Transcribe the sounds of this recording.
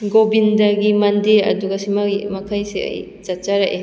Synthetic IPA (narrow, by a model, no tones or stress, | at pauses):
ɡobindaɡimandiɾɐ̰duɡasimamakʰajsea̰j | zat͡ʃaɾaʔe